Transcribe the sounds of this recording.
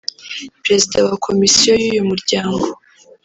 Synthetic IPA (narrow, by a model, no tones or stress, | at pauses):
pɾe̞zidawakʰo̞misijo̞juːjumuɾɟaːŋɡo̞